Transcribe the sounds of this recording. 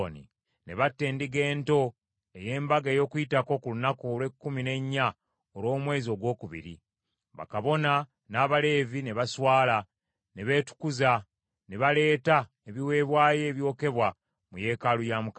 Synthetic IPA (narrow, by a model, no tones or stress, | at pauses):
nḭ | ne̞̰βatːe̞ːndiɡe̞ːnto̞ | e̞je̞ːmbaɡeːjo̞ːkuitako̞kulunakolwe̞kːumine̞ɲːa | olo̞ːmwe̞ːzio̞ɡwo̞ːkuβḭɾḭ | βa̰kaβo̞na | naːβale̞ːvine̞βaswaːla | ne̞βe̞tu̥kuza | ne̞βale̞ːta | eβiwe̞ːβwaːje̞ːβjo̞ːke̞βwa | muje̞ːkalujamuka